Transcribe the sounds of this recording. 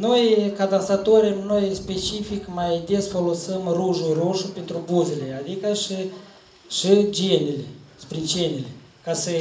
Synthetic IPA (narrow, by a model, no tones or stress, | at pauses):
nojkad̪ansat̪oɾʲemno̞jspe̞t͡ʃifikmajd̪esfo̞lo̞səmruʒuruʃupent̪ɾubuzele̞ad̪ikəʃi | ʃid͡ʒenelespɾit͡ʃenʲele | kasə